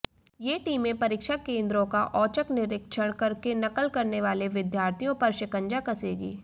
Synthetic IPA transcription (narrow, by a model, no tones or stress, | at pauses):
jeːʈiːmẽpɐɾɪkʃakẽːnd̪ɾõkaʔɔːt͡ʃəknɪɾɪkʃəɽ̃kɐɾkenɐkəlkɐɾneʋaːleʋɪd̪jaːɾt̪ʰijõpɐɾʃɪkə̃ɲd͡ʒakɐseːɡḭː